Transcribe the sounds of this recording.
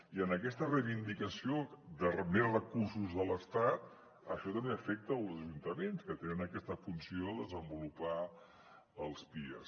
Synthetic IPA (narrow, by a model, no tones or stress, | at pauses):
iənəkɛst̪ərəjβind̪ikəsiod̪ərəmerəkursuzðələst̪at̪̚ | əʃɔt̪əmbeəfɛk̚t̪əːlˠzəʒunt̪əmenskət̪enənəkɛst̪əfunsioəðəzəmbulupa | əlˠspiə̰s